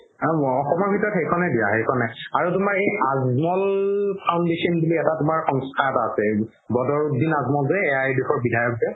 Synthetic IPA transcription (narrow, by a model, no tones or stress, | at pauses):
ɔxɔmɔɹbʱitɔɹɔtxejkʰɔnɛdija̰ɦejkʰɔnɛaɹutʊmaɹejazmɔlpʰawndesɔnbuliɛtatʊmaɹxɔŋstʰaɛtaːsɛ | bɔdɔɹdinazmɔlzɛɛajdexɔɹbidʱajɔk̚zɛ